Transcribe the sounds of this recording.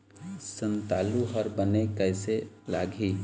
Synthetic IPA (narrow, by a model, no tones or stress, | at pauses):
sənt̪aːluɦəɾbənekəɪselaːɡʱi